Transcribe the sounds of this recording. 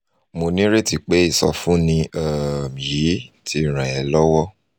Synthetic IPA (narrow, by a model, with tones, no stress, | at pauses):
mo˧nĩ˦ɾe˦ti˨k͡pe˨˦i˦˨sɔ̰˧fũ˦nĩ˧a˨mĩ˨ji˨˦tʰi˧˨ɾ̃ɛ̃˨ɛ˨˦lɔ˦wɔ˦